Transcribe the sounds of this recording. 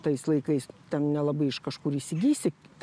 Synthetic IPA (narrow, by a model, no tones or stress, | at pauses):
t̪ɐɪslˠɐɪkɐɪst̪ʲɛnnʲɛlˠɐbɐɪɪʃkɐʃkuːɾisʲɪɡʲiːst̪ʲɪ